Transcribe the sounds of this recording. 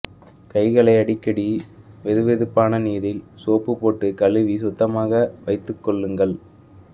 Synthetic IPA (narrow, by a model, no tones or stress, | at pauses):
kɐɪɣɐɭɐɪɐɽɪkːɐɽiʋɛðɯʋɛðɯpːaːnɐniːðɪlsoːpːɯpoːʈːɯkɐlɯʋis̬ʊt̪ːɐmaːɣɐʋɐɪt̪ːɯkːɔɭːɯŋɡɐɭ